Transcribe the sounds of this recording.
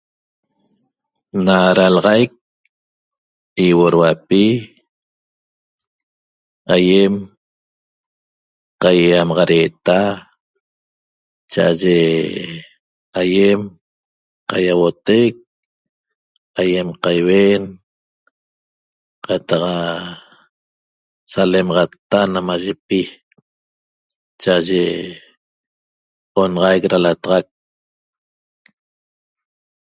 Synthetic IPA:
naɾalɑʁɑjk̚ | iwoɾwapi | ajem | qajamɑʁɑɾeːt̪a | t͡ʃaʔaʒe | ajem | qajawot̪ek̚ | ajemqajwen | qat̪ɑqa | salemɑʁɑt̪ːanamaʒepi | t͡ʃaʔaʒe | onɑʁɑjkɾalat̪ɑʁɑk̚

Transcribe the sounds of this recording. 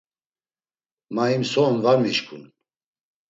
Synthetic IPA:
maimsɔnvaɾmiʃkʰṵn

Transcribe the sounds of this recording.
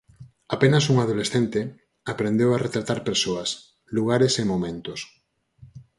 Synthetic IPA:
apenasuŋað̞olesθent̪e | apɾend̪ewaret̪ɾat̪aɾpeɾsoɐs | luɣ̞aɾesemomẽnt̪os

